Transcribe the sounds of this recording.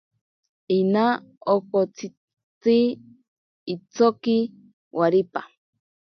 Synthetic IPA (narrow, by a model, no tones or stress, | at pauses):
inaokot͡sʰi | t͡siː | t͡soki | waɾipa